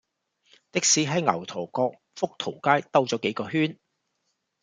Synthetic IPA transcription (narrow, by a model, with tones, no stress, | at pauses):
t̪ɪ˥k̚siː˨˥ɦɐ˨˥jŋɐ̰˨˩wt̪ʰɔː˨˩kɔː˧k̚ | fʊ˥k̚t̪ʰo˨˩wkaː˥jt̪ɐ˥wt͡sɔː˨˥ke˨˥jkɔː˧ɦyː˥n